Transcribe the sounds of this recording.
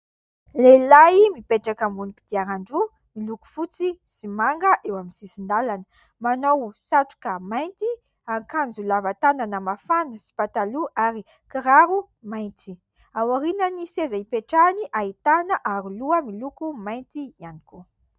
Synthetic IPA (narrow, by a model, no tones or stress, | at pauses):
lelaimipeʈ͡ʂakəmunukud̪̥iaɾaɳɖ͡ʐu | miluku̥fut͡sisimaŋɡəʔewaminsisind̪alanə̥ | manowsaʈ͡ʂu̥kəmajnt̪i | aŋkand͡zulavat̪ananamafanəsi̥pat̪aluʔaɾi | kiɾaɾu | majnt̪ʰi | awaɾinənisezaipeʈ͡ʂaniʔait̪anəʔaɾuluəmilukumajnt̪iianiku